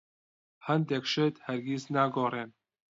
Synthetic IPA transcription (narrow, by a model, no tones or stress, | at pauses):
hænd̪ɛkʃet̪hɛɾɡʲisnaːɡoːreːn